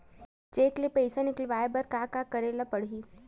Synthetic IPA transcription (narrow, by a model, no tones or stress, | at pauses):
t͡ʃeːklepəɪsanɪklʋaːebɐɾkaːkakəɾeːlapəɽ̤ɦi